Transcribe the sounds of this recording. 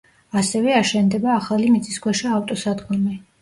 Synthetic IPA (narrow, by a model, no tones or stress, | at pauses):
asɛvɛaʃɛnd̪ɛbaːχalimit̪sʼiskʰwɛʃiaft̪ʼɔsad̪ɡɔmi